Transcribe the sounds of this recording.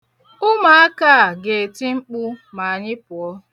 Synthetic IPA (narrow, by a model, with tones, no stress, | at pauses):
ʊ˦ma˨a˦kaː˦a˨ɡe˨ti˦ŋ͡m̩˦k͡pu˦ma˨a˨ɲɪ˦pʊ˨ɔ˦